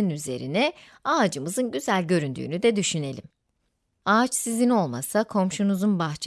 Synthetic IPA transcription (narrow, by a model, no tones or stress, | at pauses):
nyze̞̰ɾḭnɛ | aːd͡ʒɯmɯzɯnɟyzælʲɟø̞ɾynd̪y̰ːnyd̪ɛd̪yʃyne̞lʲim | aːt͡ʃsizino̞lˠma̰sakʰo̞mʃunuzunbaxt͡ʃʰ